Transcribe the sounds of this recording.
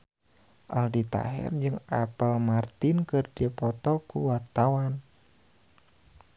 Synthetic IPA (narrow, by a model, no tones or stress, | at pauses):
ʔa̰ldit̪a̰ɦɛ̰rd͡ʒɨŋapəlmart̪inkɨrdipɔt̪ɔkuwart̪awan